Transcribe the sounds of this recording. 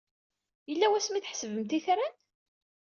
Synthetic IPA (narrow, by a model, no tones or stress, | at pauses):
jəlːæwæsmiθħsəvəmt̪iθɾæn